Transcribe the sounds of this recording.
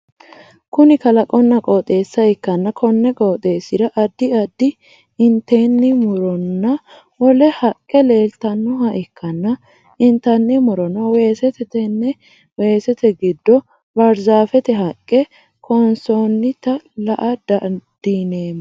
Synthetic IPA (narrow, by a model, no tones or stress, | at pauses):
kʊnɪkɐlɐkʼɔnːɐkʼɔːt̪ʼe̞ːsːɐɛkːɐnːɐkʰɔnːɛkʼɔːt̪ʼe̞ːsɪd̪ɐʔɐd̪ːɪɐd̪ːɪ | ɪnt̪eːnːɪmʊɾɔnːɐ | wɔlɛhɐkʼːɛle̞ːlt̪ɐnːʊɦɐʔɛkːɐnːɐ | ɪnt̪ɐnːɪmʊɾɔnːɐweːsɛt̪ɛt̪ɛnɛ | we̞ːsɛt̪ɛɡɪd̪ːɔ | bɐɾzaːfɛt̪ɛɦɐkʼːɛ | kʰɔnsonːɪt̪ɐlɐʔɐd̪ɐd̪̥iːneː